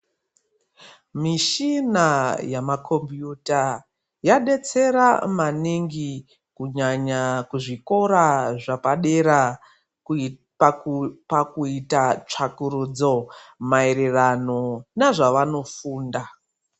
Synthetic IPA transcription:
miʃinajamakʰo̞mbjuta | jaɗe̞t͡se̞ɾamaniŋɡi | kuɲaɲakuʐiko̞ɾaʐapaɗeɾa | pakuitat͡ʂakuɾud͡zo̞maeɾerano̞naʐaʋano̞fuːnda

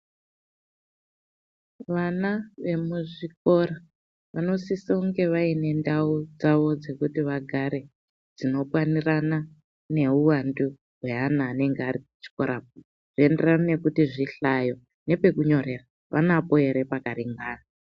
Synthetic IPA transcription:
ʋanaʋe̞muʐik̚o̞ɾa | ʋano̞sisauŋɡe̞ʋaine̞ndaud͡zaʋo̞d͡ze̞kutiʋaɡʱaɾe̞ | d͡zino̞pwanirana | ne̞uwandu | ɦwe̞anaːne̞ŋɡeariut͡ʃi̥ko̞ɾap̚u | ʐ̥ie̞nderanane̞kutiʐiɬajo̞ | ne̞pe̞kuɲo̞ɾe̞ra | ʋa̰napo̞ɦe̞ɾe̞pakariŋɡaːna

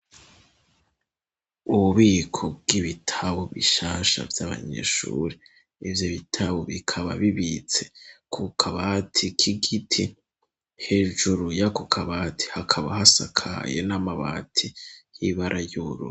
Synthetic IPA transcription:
uβuβiːkʰo̞b̚ɡiβitʰaβoβiʃaːʃa̰vjaβa̰ɲe̞̰ːʃṵːɾe | ivjoβitʰaβoβikʰaβa̰βiβit͡se̞̥kʰukʰaβatʰikʰiɡitʰi | he̞ːʒuɾujakukʰaβatʰi̥hakʰaβahasakʰa̰je̞̰namaβa̰tʰijiβaɾʔajuɾṵ

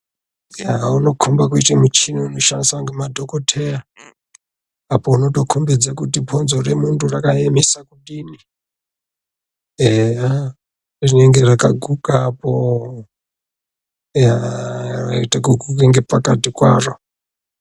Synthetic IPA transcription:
jauno̞kʰumbakuitemut͡ʃiniunoʃansaŋɡemadʱokotʰeja | apo̞uno̞to̞kʰumbid͡zakutipʰonzoremunturakaemisakuɗini | ea | rine̞ŋɡe̞rakaɡʱukapo | jaraitakuɡʱukeŋɡe̞pakatikwa̰ːro

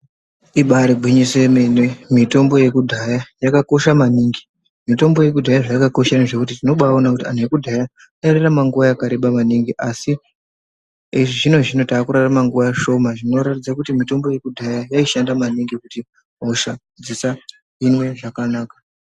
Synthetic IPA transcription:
iɓaɾiɡʱwiɲise̞menwemito̞mbo̞je̞kudʱajajakako̞ʃamaniːŋɡi | mito̞mbo̞je̞k̬udʱajaʐajakako̞ʃaneʐe̞kut̬itino̞ɓaonakutian̤ujekudʱaja | aeɾeramaŋɡuʋajakaɾeɓamaniŋɡiʔasi | iʐiʐino̞ʐino̞taːkuɾaramaŋɡuʋajaʃo̞maʐino̞ɾatid͡zakutimito̞mbo̞je̞kudʱajajaiʃandamaniŋɡikuti | ɦoʃa | d͡zisa | ɦinwe̞ʐakanaːkḁ

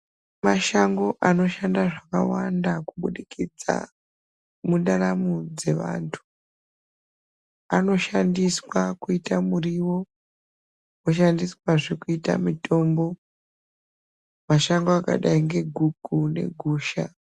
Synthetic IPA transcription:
maʃaŋɡo̞ʔano̞ʃandaʐaka̰wandakuɓuɗikid͡za̰ | mundaɾamud͡ze̞ʋa̰ntʰu̥ | ano̞ʃandiswakuitamuriwo̞ | oʃandiswaʐekuita̰mito̞ːmbo̞ | maʃaŋɡoaka̰ɗaiŋɡe̞ɡʱuɡ̥ʱune̞̰ɡʱuːʃa

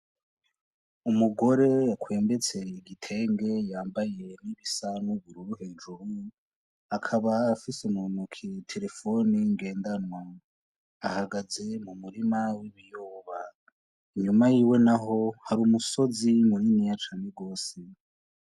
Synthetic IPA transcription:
umuɡo̞ɾe̞akwe̞ːmbe̞t͡se̞iɡitʰe̞ːŋɡe̞jaːmbaje̞niβisanuβuɾuɾuheːnd͡ʒuɾu | akʰaβaːfisumunukʰitʰe̞ɾe̞fo̞niŋɡe̞ːndanwa | ahaɡaze̞mumuɾimawiβijoːβa | iɲumajiːwe̞naɦo̞haɾuːmuso̞zimuɾinijat͡ʃaːneɡo̞ːse

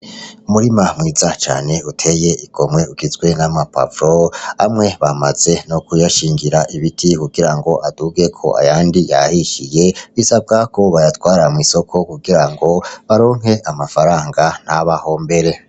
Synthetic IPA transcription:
umuɾimamŋiːzat͡ʃa̰ːne̞utʰe̞je̞iɡ̥o̞mŋwe̞uɡizɡwe̞namapa̰vɾoa̰mŋe̞βama̰z̥e̞nokujaʃiːŋɡiɾaʔiβitʰikuɡiɾaŋɡo̞ʔad̥uːɡe̞kʰo̞̰ʔa̰jaːndija̰hiʃije̞βisab̚ɡakʰo̞βajatwaːɾamŋiso̞kʰo̞kuɡiɾaŋɡo̞βaɾo̞ːŋ̥ɦe̞ʔamafaɾaːŋɡan̥haβaho̞mbe̞ɾe̞

